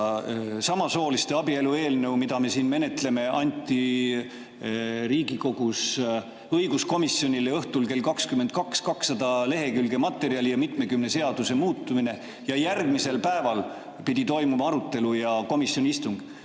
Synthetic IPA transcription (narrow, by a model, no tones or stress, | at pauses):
sɑmɑso̞ːlist̪e̞ɑbie̞lue̞ːlnewmid̪ɑme̞siːnme̞ne̞t̪le̞me̞ʔɑnʲt̪ʲːˑi | ɾiːɡiko̞ɡ̥us | ɤjɡ̥usko̞misjo̞nʲileɤht̪ulke̞lkɑkskymːent̪̚kɑkskɑksːɑd̪̥ɑle̞ɦe̞kylɡ̥e̞mɑt̪ːˑe̞ɾiɑlijɑmit̪ˑme̞kymne̞se̞ɑd̪̥use̞muːt̪ːˑumine̞ | jɑjærɡmise̞lpæevɑl | pid̪̥ʲit̪o̞jmumɑɑɾut̪ˑːe̞lujɑko̞misjo̞nʲiist̪uŋɡ̥